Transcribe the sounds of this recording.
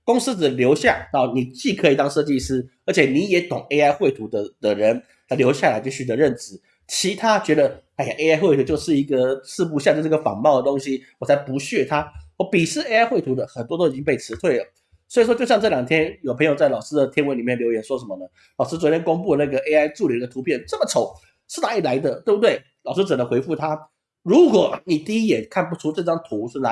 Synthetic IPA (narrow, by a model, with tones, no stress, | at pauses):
kʊ˥ŋs̩˥d͡z̩˨˩ljo˧˥ʊɕja˥˩na˧˥˦ni˨˩t͡ɕi˥˩kʰə˧˦˥i˨˩t̪ɑ˥ŋʂɤ˥˧t͡ɕi˥˨˧ʂɹ̩˥ə˧˥t͡ɕʰjɛ˨˩ni˧˥jɛ˧˥t̪ʊ˨˩ŋe˥ɪa˥ɪxwe˥˩ɪt̪ʰu˧˥d̪ə˧d̪̥ə˨ɻə˧˦n | a˧ɪljo˧˥ʊɕja˥˩la˧˥ɪt͡ɕjo˥˩ʊɕy˨˩t̪ə˧˦ɻə˥˩nt͡s̩˨˩ | t͡ɕʰi˧˥t̪ʰa˥t͡ɕɥɛ˧˥d̪ə˧a˥˩a˨ʔe˥ɪa˥ɪxe˥˩ɪt̪ʰu˧˥t͡ɕjo˥˧ʊʂɻ̩˥˩i˧˥ɡə˨sʰɹ̩˥˧p̬u˧˥ɕ̬jt͡ɕjʊʂ̩˥˧˥ɡə˩fɑ̰˨˩ŋmɑ˥˩ʊd̪ə˩t̪o˥ŋɕi˥wɔ˨˩t͡sʰa˧˥ɪpu˧˥ɕɥɛ˥˩t̪ʰa˥wə˥˩pi˨˩ʂɻ̩˥˩e˥ɪa˥ɪxwe˥˩t̪ʰu˧˥d̪ə˧xə˨˩nt̪wɔ˥o˥i˨˩t͡ɕi˥ŋpe˥˩ɪʈ͡ʂʰɻ̩˧˥t̪ʰwe˥˩ɪlə˩ | swi˨˩ʂwɔ˥t͡ɕjo˥˧jɑ˥˧ŋʈ͡ʂɤ˥˩ljɑ˨˩ŋt̪ʰjɛ˥njo˨˩ʊpʰə˧ŋjo˨˩t͡sa˥˩ɪlɑ˨˩ʊʂɻ̩ɹ̩˥d̪ə˨t̪ʰjɛ˥nwnli˨˩mjɛ˥˩nljo˧˥ʊjɛ˨˥˦nʂwɔ˥ʂə˧˥nmə˧nə˦ | lɑ˨˩ʊʂ̬̩˥t͡swɔ˨˩tʰjɛ˥nko˥ŋpu˥˧na˥˩ɡə˩ʔe˥ɪa˥ɪʈ͡ʂu˥˩li˨˩˥d̪ə˧t̪ʰu˧˥pʰjɛ˥˩nʈ͡ʂə˥˩mə˩ʈ͡ʂʰo˨˩ʊ | ʂ̩˥˧na˧˥i˨˩la˧˥ɪd̪ə˧t̪we˥˩ɪbu˧˥t̪we˥˩ɪ | lɑ˨˩ʊʂɻ̩˥t͡s̩˨˩nə˧˦ŋxwe˧˥ɪfu˥˩t̪ʰa˥ | ɻu˧˥kwɔ˨˩˦ni˨˩t̪i˥˧i˥jɛ˨˩kʰa˥˩np̬u˨˧ʈ͡ʂʰu˥ʈ͡ʂɤ˥˧ʈ͡ʂɑ˥ŋt̪ʰu˧˥ʂ̩˥˩na˧˥